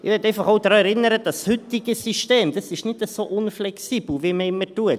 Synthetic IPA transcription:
ɪ̰ʋɛtɛɪfɑχoʊd̥̪ɾɑːɛɾɪnəɾəd̥ɑshʏtiɡ̥əsyʃteːmd̥ɑsɪʃnɪtəsoʔʊnflɛksiːb̥l̩viməɪmətuət

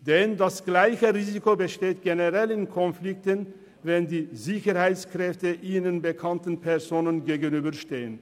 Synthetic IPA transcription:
d̥ɛndasɡ̥laɪçəʁiːzikobəʃteːt̚ɡ̥enəʁɛlɪnkʰɔnflɪk̚tən | vɛndiːzɪçəʁhaɪt͡skʁ̥ɛftəʔiːnənbəkʰantn̩pʰɛɐzoːnənɡeːɡənyːbɐʃteːən

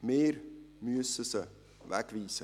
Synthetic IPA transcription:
meːrmyəsəsə | væ̰kviːsə

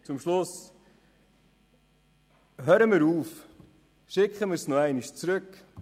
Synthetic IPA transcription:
t͡sʊmʃlʊs | ɦøːɾəmɪɾuːf | ʃɪkχəmɪːɾsnɔæɪniʃt͡sɾɵk

